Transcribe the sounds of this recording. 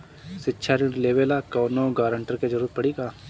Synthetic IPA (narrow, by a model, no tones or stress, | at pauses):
sɪtːʃʰaɾiʈleːʋelakɔːnoɡaːɾə̃ɳʈəɾked͡ʒɐɾuːɾət̪pɐɽiɡaː